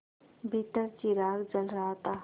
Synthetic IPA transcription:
bʱit̪əɾt͡ʃiɾaːkd͡ʒəlɾaɦt̪aː

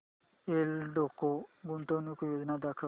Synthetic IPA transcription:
elɖokːoɡunt̪onukojoːd͡ʒnad̪akʰə

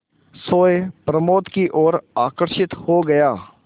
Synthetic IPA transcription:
soːjpɾəmoːt̪kiʔoːɾaːkəɾʃɪt̪hoɡɐjaː

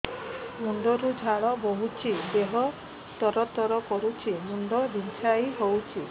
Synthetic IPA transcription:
muɳɖɔɾud͡ʒʱaɭɔboɦut͡ʃʰid̪eɦɔ | t̪ɔɾɔt̪ɔɾɔkɔɾut͡ʃʰimuɳɖɔd̪int͡ʃʰaiɦowt͡ʃʰi

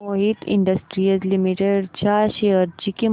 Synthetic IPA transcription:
oɦit̪ḭ̃ɳɖəsʈɾiəzlimiʈeɖt͡ɕaɕeəɾd͡ʑiki

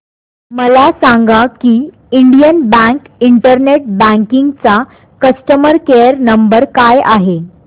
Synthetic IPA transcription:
məlasaŋɡakiː | iɳɖijənbæ̃ŋk | iɳʈəɾneʈ̚bæ̃ŋkiŋɡt͡sa | kəsʈəməɾkeəɾnəmbəɾkajaɦe

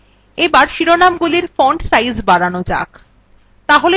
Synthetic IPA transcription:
ebaɾʃiɾonamɡuliɾfɔɳɖsajzbaɽanod͡ʑa̰k | t̪aɦole

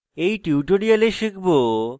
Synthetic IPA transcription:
ejʈuuʈoɾialeʃikbo

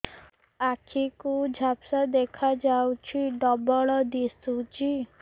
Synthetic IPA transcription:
akʰikud͡ʒʱapsad̪ekʰad͡ʒawt͡ʃʰiɖɔbɔɭɔd̪isud͡ʒi

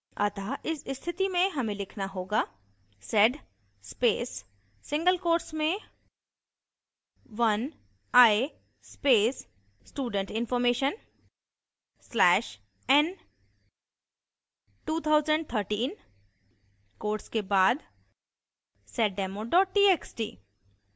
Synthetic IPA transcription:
ɐ̰t̪aʔɪsɪst̪ʰɪt̪imẽɦɐmẽlɪkʰnaɦoːɡaː | sɛɖ | speːsː | ɪ̃ŋɡəlkoːɾʈsmẽ | ʋɐn | aːe | speːsː | ʈuːɖə̃ɳʈɪ̃nfɔːɾmeːʃən | slɛːʃ | ɛn | ʈuːt̪ʰaːʊzə̃ɳɖ̚t̪ʰəɾʈiːn | koːɾʈskebaːd̪ | sɛʈɖɛːmoɖɔːʈ̚ːiːeːksʈḭː

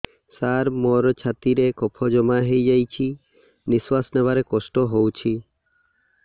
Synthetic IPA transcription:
saɾmɔɾt͡ʃʰat̪iɾekɔpʰɔd͡ʒɔmaɦejd͡ʒajt͡ʃʰi | niswasnebaɾekɔsʈɔɦowt͡ʃʰi

